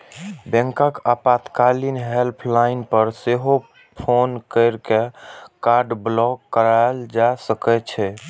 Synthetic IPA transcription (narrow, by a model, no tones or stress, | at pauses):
bẽŋkakapat̪kalinɦelpʰlaɪnpəɾseɦo | pʰonkəɪɾkekaɾɖblɔkːəɾald͡ʒasəkɛt͡ʃʰɛ